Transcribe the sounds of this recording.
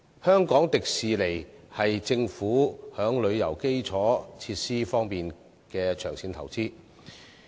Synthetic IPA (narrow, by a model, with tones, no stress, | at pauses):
hœː˥ŋkɔː˨˥ŋt̪ɪ˨k̚siː˨le˨˩jhɐ˨jt͡sɪ˧ŋfuː˨˥hœː˨˥ŋlɵ˨˧ɥjɐ˨˩wke˥jt͡sʰɔː˨˥t͡sʰiː˧t̚siː˥fɔː˥ŋpiː˨n | kɛː˧t͡ʃʰœː˨˩ŋsiː˨˥nt̪ʰɐ˨˩wt͡siː˥